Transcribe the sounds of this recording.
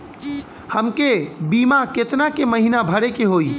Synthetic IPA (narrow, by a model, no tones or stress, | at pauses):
həmkebiːmaket̪nakeməɦinabʱəɽekeɦoːi